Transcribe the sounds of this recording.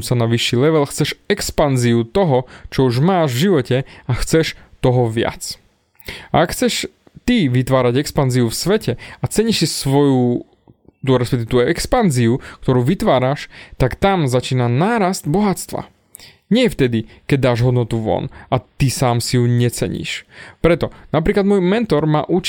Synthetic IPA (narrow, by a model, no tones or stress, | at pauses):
sanaʋiʃːilɛʋɛlxt͡sɛʃɛkspanziut̪ɔɦɔt͡ʃɔuʒmaːʒvʒiʋɔcɛaxt͡sɛʃt̪ɔɦɔʋɪa̰t͡s | aakxt͡sɛʃ | t̪iʋit̪ʋaːɾaɟɛkspanziufsʋɛcɛat͡sɛɲiʃsisʋɔju | t̪uɾɛspɛkt̪iɛt̪ɔʔɛkspanziuk̚t̪ɔɾuːʋit̪ʋaːɾaʃt̪akt̪amzat͡ʃiːnanaːɾasd̪bɔɦat͡st̪ʋa̰ | ɲɪɛft̪ɛd̪ikɛɟ̚d̪aːʒɦɔd̪nɔt̪uʋɔ̰nat̪isaːmsijuɲɛt͡sɛ̰ɲḭːʃpɾɛt̪ɔnap̬ɾiːklad̪mʊɔːjmɛnt̪ɔɾma̰ːʔut͡ʃ